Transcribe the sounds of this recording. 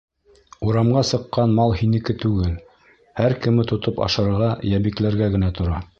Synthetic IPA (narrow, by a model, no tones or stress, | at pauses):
uɾɑmɢɑsɤ̆qːɑnmɑlˠhinɘ̆kɘt̪ʉɡɘl | hæɾkɘ̆mɘt̪ŏt̪opɑ̰ʃɤ̆ɾɾʁɑjæβiklæɾɡæɡɘ̆næt̪ŏɾɑ